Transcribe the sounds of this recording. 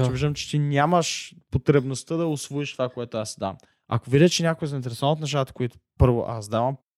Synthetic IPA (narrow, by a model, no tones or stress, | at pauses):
t͡ʃɛbiʒd̪əmt͡ʃɛ̥t̪inʲaməʃpot̪ɾɛbnost̪əd̪ɐʊsvoiʃt̪ovakoɛt̪oasːɛd̪a̰m | ɐ̰kovid̪ʲət͡ʃɛnʲakoizɐɪint̪ɛɾɛsovnt̪nɐʃ̬at̪ɐ̥koit̪ʊ̥pɤɾvo̰ʔa̰sd̪avəm